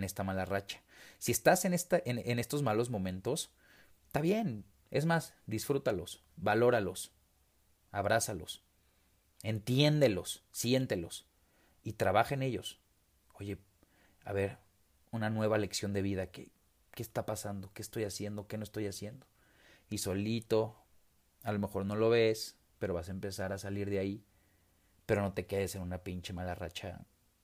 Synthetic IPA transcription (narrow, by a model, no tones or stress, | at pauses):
ne̞st̪amalarat͡ʃḁsie̞st̪ase̞nest̪aʔenene̞st̪o̞zmalo̞zmo̞mẽ̞nt̪o̞s | t̪aβje̞n | e̞zmasd̪isfɾut̪alo̞̰s | balo̞ɾalo̞s | aβɾasalo̞̰s | e̞nt̪je̞nd̪e̞lo̞sːje̞nt̪e̞lo̞s | it̪ɾaβaxaene̞ʝo̞s | o̞ʝe̞ | aβe̞ɾ | unanwe̞βale̞ksjo̞nd̪e̞βiðakḛ | kest̪apasand̪o̞ke̞ːst̪o̞jasje̞nd̪o̞kenoest̪o̞jasje̞nd̪o̞ | iso̞lit̪o̞ | alo̞me̞xo̞ɾno̞lo̞βe̞s | pe̞ɾo̞βasaempe̞saɾasaliɾðeai | peɾo̞no̞t̪e̞ke̞ðese̞nunapint͡ʃemalara̰t͡ʃa̰